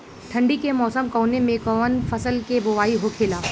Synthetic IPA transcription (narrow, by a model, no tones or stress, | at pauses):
ʈʰɐ̃ɳɖikemɔːsəmkɔːnemẽkɔːʋənfɐsəlkeboʋaːiɦokʰeːlaː